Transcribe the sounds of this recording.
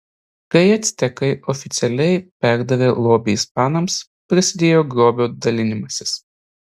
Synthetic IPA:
kɐɪɐt̪sʲt̪ʲɛkɐɪɔfʲɪt̪sʲɛlʲɛɪpʲæˑɾd̪ɐʋʲeːlˠoːbʲɪjspɑːnɐms | pʲɾʲɪsʲɪd̪ʲeːjoːɡɾoːbʲoːd̪ɐlʲɪnʲɪmɐsʲɪs

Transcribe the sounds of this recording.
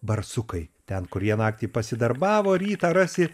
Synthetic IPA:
bɐrsʊkɐɪt̪ʲɛnkʊɾjiɛnɑːkt̪ʲiːpɐsʲɪd̪ɐrbɑːʋoːɾʲiːt̪ɐːɾɑːsʲɪ

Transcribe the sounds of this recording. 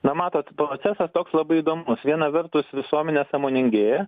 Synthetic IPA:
nɐmɑːt̪oːt̪pɾoːt͡ssʲɛsɐst̪oːkslˠɐbɐɪiːd̪oːmʊsʋʲiɛnɐʋʲɛɾt̪ʊsʋʲɪsuɔmʲɛnʲesɑːmoːnʲɪŋʲɡʲe

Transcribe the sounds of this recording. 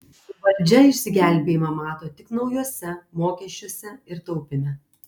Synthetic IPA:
ʋɐlʲd͡ʒʲɛɪʃʲsʲɪɡʲæˑlʲbʲeːjimɐmɑːt̪oːt̪ʲɪknɒʊjuɔsʲɛmoːkʲɛʃʲt͡ʃʲuɔsʲɛɪɾt̪ɒʊpʲɪnʲɛ

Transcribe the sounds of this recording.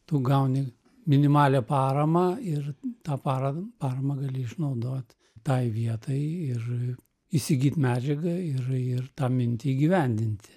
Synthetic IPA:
t̪uɡɐʊnʲɪ | mʲɪnʲɪmɑːlʲɛpɑːɾɐmɐɪrt̪ɑːpɑːɾɐpɑːɾɐmɐɡɐlʲɪɪʃnɐʊd̪oːt̪ʲ | t̪ɐɪʋʲiɛt̪ɐɪɪr | isʲɪɡʲiːt̪ʲmʲæːd͡ʒʲɛɡɐɪrɪrt̪ɑːmʲɪnʲt̪ʲɪiːɡʲiʋʲɛnʲd̪ʲɪnʲt̪ʲ

